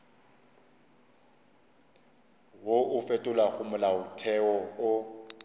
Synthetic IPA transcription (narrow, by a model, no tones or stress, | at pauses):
woʔʊfetʼʊlaɣʊmʊlaʊtʰɛɔʊ